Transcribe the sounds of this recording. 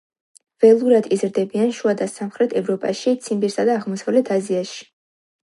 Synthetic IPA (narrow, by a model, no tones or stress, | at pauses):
vɛlˠuɾad̪izɾd̪ɛbianʃuad̪asamχɾɛt̪ʰɛvɾɔpʼaʃit̪sʰimbiɾsad̪aːʁmɔsavlɛt̪ʰaziaʃi̥